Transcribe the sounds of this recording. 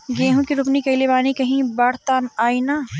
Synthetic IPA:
ɡẽːɦũkiɾʊpnikɐlebaːnikɐɦĩbaːɽ̤t̪aːnaːinaː

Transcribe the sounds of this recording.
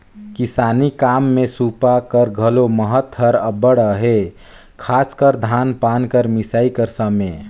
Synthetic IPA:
kisanikamːẽsupakəɾɡʱəloməɦət̪ɦəɾəbəɽəɦe | kʰaːskəɾd̪ʱanpaːnkəɾmisaikəɾsəme

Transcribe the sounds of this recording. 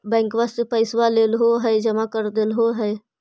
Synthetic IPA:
bɛ̃ːŋkʋast̪pəɪswaleːlɦoɦɛːd͡ʒəmakəɾd̪eːlɦoɦɛː

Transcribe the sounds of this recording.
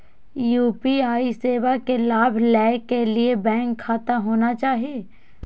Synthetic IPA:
juːpiaːiseːʋakelaːbʱlɛːkːeliebɛ̃ːŋkʰːaːt̪amɦoːnat͡ʃaːɦieː

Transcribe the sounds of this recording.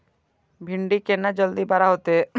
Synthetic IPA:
bʱiɳɖikenad͡ʒɔld̪ibaɾaɦot̪e

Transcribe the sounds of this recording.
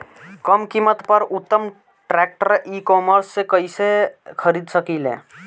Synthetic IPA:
kəmkimːət̪pəɾut̪ːəm | ʈɾɛk̚ʈəɾikɔməɾsːekəɪsekʰəɾid̪səkilḛ̃

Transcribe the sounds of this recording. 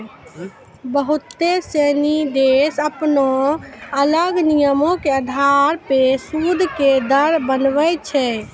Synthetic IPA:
bəɦut̪ːesɛnid̪esəpnoələɡnijəmõkeəd̪ʱaɾpesud̪ʱked̪əɾbənʋət͡ʃʰɛ

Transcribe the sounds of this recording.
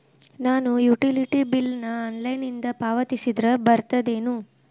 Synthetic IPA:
naːnujuʈiliʈibilnɐɐnlɐjnind̪ɐpaːʋɐt̪isid̪ɾɐbɐɾt̪ɐd̪e̞ːnu

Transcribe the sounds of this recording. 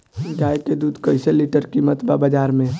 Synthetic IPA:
d͡ʒaːjked̪uːd̪kəɪseliʈəɾkimət̪babəd͡ʒaːɾmẽ

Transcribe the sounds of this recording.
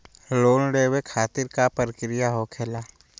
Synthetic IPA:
loːnɖeːwekʰaːt̪ɪɾkapəɾəkɾɪjaɦoːkʰelaː

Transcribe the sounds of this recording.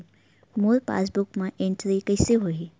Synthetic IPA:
moɾpa̰ːs̬bʊkmãʔẽɳʈɾikəɪseɦoi

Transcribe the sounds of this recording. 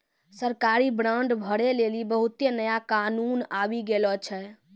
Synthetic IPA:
səɾkaɾibɾãɳɖbʱəɽelelibəɦut̪enəjakanunabiɡelɔt͡ʃʰɛ

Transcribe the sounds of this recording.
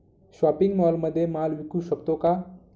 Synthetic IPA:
ʃwaːpɪ̃ŋɡmɔːlməd̪ʱːjemaːlwikuʃəbt̪õka

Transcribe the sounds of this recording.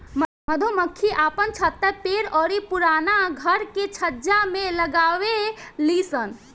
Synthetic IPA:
m | məd̪ʱoməkʰːiʔapənt͡ʃʰət̪ːəpeɾɔːɾipuɾaːnaɡʱəɾket͡ʃʰəd͡ʒamẽləɡaːwelisən

